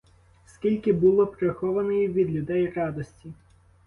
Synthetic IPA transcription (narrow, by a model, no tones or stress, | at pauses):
skʲilʲkɪbʊlˠɔpɾexɔʋɐnɔjiʋʲid̪lʲʊd̪ɛjrɑd̪ɔsʲtʲi